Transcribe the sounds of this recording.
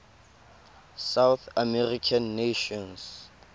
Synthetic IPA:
sawθamɛrikʰanːeʃɔ̃ns

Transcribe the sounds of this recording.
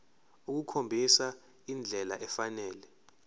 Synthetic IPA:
uk̬ukʰombʱisa | ind͡ɮʱɛla̰ʔɛfanɛːlɛ

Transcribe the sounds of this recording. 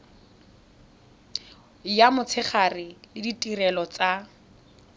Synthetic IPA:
jamʊt͡sʰɪχarɪlɪditʼirɛlɔt͡sʼa

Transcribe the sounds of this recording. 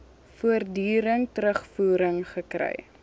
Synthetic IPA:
fuərdyːɾəŋtəɾəχfuːɾəŋχəkrɛ̰j

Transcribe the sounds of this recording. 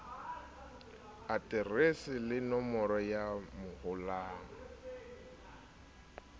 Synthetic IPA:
atʼɪresɪlɪnɔmɔɾɔjamʊhʊlaːŋɔ

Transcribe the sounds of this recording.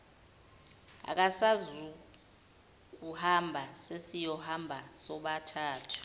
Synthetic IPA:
a̰k̬ʼasazu | k̬uhambʱasesijɔhambʱasɔɓatʰaːtʰu̥

